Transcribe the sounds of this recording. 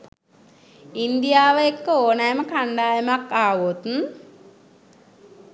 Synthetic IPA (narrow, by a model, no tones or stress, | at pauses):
ind̪ijaːʋəekːəoːnajəməkaɳɖaːjəmakːaːʋot̪n